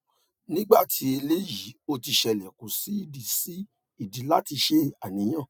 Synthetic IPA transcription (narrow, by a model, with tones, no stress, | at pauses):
nĩ˦ɡ͡ba˦˨tʰi˨˦e˧le˦ji˨˦o˧ti˧ʃɛ˨lɛ˨ku˨si˨˦i˦˨di˨si˦ | i˦˨di˨˦la˦ti˧ʃe˦a˦˨nĩ˨˦j̃ã˦˨